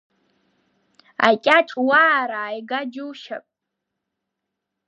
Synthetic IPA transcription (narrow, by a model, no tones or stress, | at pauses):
a̰kʲʼaʈ͡ʂʼwaːɾaːjɡad͡ʒuwʃa̰pʼ